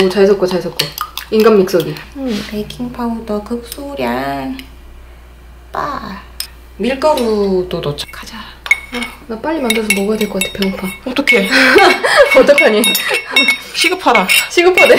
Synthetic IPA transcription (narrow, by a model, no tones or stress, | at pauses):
ot͡ɕas̬ʰʌk͈ot͡ɕaɭsʰʌk͈oiŋɡamːik̚s͈oɡiɯpejkʰiŋpʰaɡudʌkɯk̚s͈uɾjan | pa | miɭk͈ʌɾudodot͡ɕʰkʰad͡ʑa | anap͈aʎːimandɯɭsʰʌmoɡajadweɭk͈ʌk͈atʰe̥pʰjʌɡɯpʰaot͈ʌkʰe | otʰʌpʰjʌɲi | ɕʰiɡɯpʰadaɕʰiɡɯpʰade